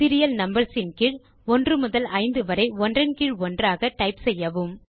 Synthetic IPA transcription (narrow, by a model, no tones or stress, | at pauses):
tɪɾɪjɐlnɐmbɐɾsɪnkɪɻ | ɔndrɯmʊðɐlɐɪnd̪ɯʋɐɾɐɪɔndrɐnkɪɻɔndraːɣɐʈːɐɪpsɛjːɐʋɯm